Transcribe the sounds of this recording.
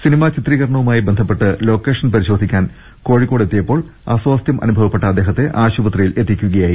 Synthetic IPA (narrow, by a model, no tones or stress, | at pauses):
sinimat͡ɕit̪riːɣɐɾɳɐʋumaːjibe̞nd̪ʱɐpːe̞ʈːɨlo̞ːkːe̞ːʂɐnpɐɾiɕo̞ːd̪ʱikʲːaːn | ko̞ːɻikːo̞ːɽe̞t̪ːijɐpːo̞ːɭaswaːst̪jɐmʔɐ̰nubʱɐʋɐpːe̞ʈːɐd̪ːeːɦɐt̪ːe̞ʔaːɕubɐt̪rijilʔe̞t̪ːikʲːuɣɐjaːji